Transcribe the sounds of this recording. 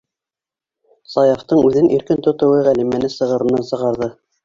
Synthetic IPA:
sɑjɑft̪ɤɴʉðɘnʔiɾkɘnt̪ŏt̪ŏwɤʁælimænɘsɤ̆ʁɤ̆ɾɤ̆nɑnsɤ̆ʁɑɾðɤ

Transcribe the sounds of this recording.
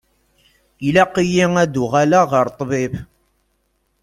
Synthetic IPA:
ilæqijiŋæd̪uʁalaʁəɾt̪ˤːbɪb

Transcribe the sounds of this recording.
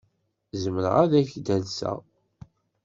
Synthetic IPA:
zəməɾə̰ʁæðæçd̪ælsæ̰

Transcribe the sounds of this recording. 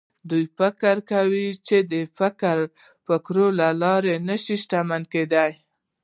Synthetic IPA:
d̪ujfɪkəɾkawit͡ʃed̪əfɪkɾ | fɪkɾolalɑɾenəʃiʃʈamanked̪aj

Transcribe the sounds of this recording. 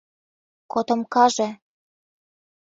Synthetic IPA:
kot̪ɤ̆mkɑʒĕ

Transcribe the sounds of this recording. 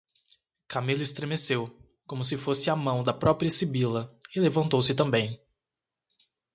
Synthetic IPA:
kamilʊɪst̪ɾemesew | kõmʊs̬ɪfosɪɐmɐ̃w̃d̪ɐpɾɔpɾiɐsibilɐɪlevɐ̃nt̪owsɪt̪ɐ̃mbẽj̃

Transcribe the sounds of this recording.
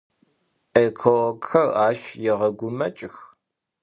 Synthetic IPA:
ekʰowɐɡxɐraːʃjɛʁɐɡʷʊmɐt͡ʃʼɪx

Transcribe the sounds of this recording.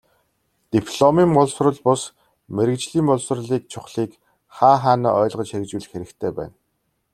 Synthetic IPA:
t̪ipʰɮɔmiːmpʊɮsrə̆ɮpʊs | meɾɘ̆kt͡ɕɮiːmʊɮsrɮiːk̚t͡ɕʰʊχɮiːk | χaːχaːnḭːʔɔːɮʁə̆t͡ɕxekt͡ɕwɘ̆ɮxeɾɘ̆kt̪ʰeːpæ̰ːn

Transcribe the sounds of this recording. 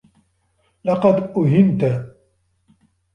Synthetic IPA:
lɑqɑd̪ʔʊɦɪnt̪a

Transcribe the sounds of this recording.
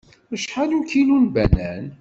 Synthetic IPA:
əʃħalukilunbænæn

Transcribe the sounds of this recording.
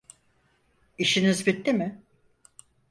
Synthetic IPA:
iʃinizbit̪ːimɪ

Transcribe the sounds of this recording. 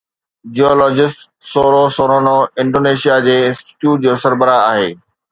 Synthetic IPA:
d͡ʑiɔːlɔːd͡ʑɪsʈ | soːɾosoːɾonoɪ̃ɳɖoːneːʃijad͡ʑeːɪ̃nsʈi̥ʈjuːʈ̚d͡ʑoːsɐɾbəɾaaːɦḛː

